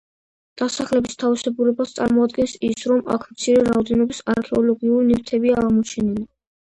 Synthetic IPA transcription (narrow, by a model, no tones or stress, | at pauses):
d̪̥asaχlɛbist̪ʰavisɛɡuɾɛbast̪sʼaɾmɔad̪ɡɛnsisɾɔma̰kʰmt̪sʰiɾɛɾaɔd̪ɛnɔbisaɾkʰɛɔlɔɡiuɾinivt̪ʰɛbiaːʁmɔt͡ʃʰɛnili